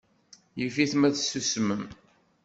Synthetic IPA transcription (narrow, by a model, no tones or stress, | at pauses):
jəfiθmæθsusməm